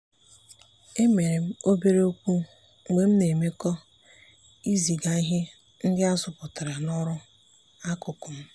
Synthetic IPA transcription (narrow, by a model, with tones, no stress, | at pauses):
e˦me˨ɾe˨m̩˦o˦be˦ɾe˦o˦kʷu˦ | ŋ͡me˨m̩˦ne˨me˦kɔ˦ | i˦zi˨ɡa˦i˦ɦɪ˦ | n̩˦dɪ˦a˦sʊ˨pʊ˨ta˨ɾa˨nɔ˦ɾʊ˦ | a˦kʊ˨kʊ˨m̩˦